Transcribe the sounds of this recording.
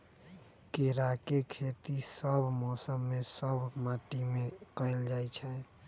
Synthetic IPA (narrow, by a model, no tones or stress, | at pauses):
keɾakekʰet̪isəbʱmɔsəmːesəbʱmaʈimekəɪld͡ʒajt͡ʃʰɛ